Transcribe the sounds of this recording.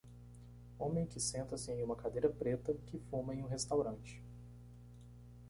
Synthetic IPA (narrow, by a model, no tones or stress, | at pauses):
õmẽj̃kɪsẽnt̪ɐsɪẽj̃ũmɐkad̪ejɾɐpɾet̪ɐkɪfũmɐẽj̃ũɦest̪awɾɐ̃t͡ʃɪ̥